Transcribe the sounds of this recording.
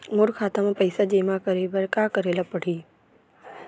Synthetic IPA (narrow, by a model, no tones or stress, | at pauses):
mʊɾxaːt̪əmpɐɪsad͡ʑeːmãkɐɾebɐɾkakɐɾelɐpɐɽ̤ʱiː